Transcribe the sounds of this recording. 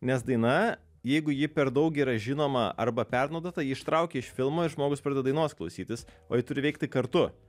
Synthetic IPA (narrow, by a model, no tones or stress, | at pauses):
nʲɛs̬d̪ɐɪnɐ | jɛɪɡʊjɪpʲɛɾd̪ɐʊkʲiːɾɐʒʲɪnoːmɐʔɐ̰ɾbɐpʲɛrnɐʊd̪oːt̪ɐjɪɪʃt̪ɾɐʊkʲeːɪʃfʲɪlˠmoːɪɾʒmoːɡʊspɾɐd̪ɛɐd̪ɐɪnoːsklˠɐʊsʲiːt̪ʲɪs | oːjɪt̪ʊɾʲɪʋɛɪk̚t̪ʲɪkɐɾt̪ʊ